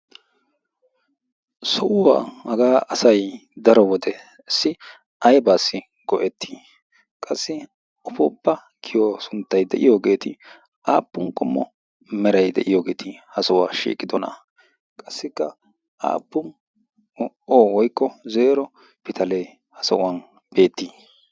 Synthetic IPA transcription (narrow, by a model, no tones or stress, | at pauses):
sɔʔʊwaːhɐɡaːɐsɐjd̪ɐɾɔwɔd̪ɛ | ɪsːɪ | ʔɐjbaːsːɪ | ɡ̥ɔʔɛt̪ʰːiː | kʼɐsːɪ | ɔpɔpːɐ | kʰɪjosʊnt̪ːɐjd̪ɛʔɪjoːɡe̞ːt̪ɪ | ʔaːpːʊnkʼʊmːɔ̰ | mɛɾɐjd̪ɛ̰ʔɪjoːɡe̞ːt̪ʰɪhɐsɐwaːʃḭːkʼɪd̪ɔnɐ̰ | kʼɐsːɪkːɐ | ʔa̰ːpːʊn | oːwɔjkːɔzeːɾɔ | pɪt̪ʰɐle | hɐsɐ̰ʔʊwan | b̥e̞ːt̪ːiː